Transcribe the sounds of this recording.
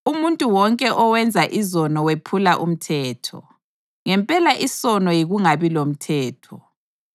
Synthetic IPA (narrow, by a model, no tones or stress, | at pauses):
umuntʼuwɔŋkʼɛʔɔwɛnd͡zʱaʔizɔnɔwepʰulaʔṵm̩tʰɛːtʰɔ̰ | ŋɛmpʼɛlaʔisɔnɔjiɣuŋaβilom̩tʰɛːtʰɔ